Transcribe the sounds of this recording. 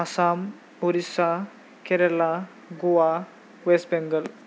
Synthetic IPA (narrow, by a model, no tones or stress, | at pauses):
asam | oɾisa | keɾela | ɡuwa | ʋestbeŋɡəl